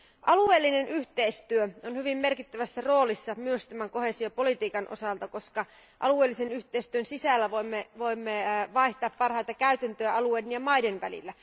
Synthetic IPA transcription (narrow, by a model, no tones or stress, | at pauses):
ʔɑlue̞ːlːinenʔyht̪eist̪yøonhyʋimːerkit̪ːæʋæsːæro̞ːlisːɑmyøst̪æmæŋko̞hesiopo̞lit̪iːkɑnʔo̰sɑlt̪ɑko̞skɑ | ʔɑ̰lueːlːisenyht̪eist̪yønsisælːæʋoimːeʋo̞imːeʋɑiht̪ɑːppɑrhɑjt̪ɑkæyt̪ænt̪øæɑlueːdenjɑmɑidenʋæ̰lḭlːæ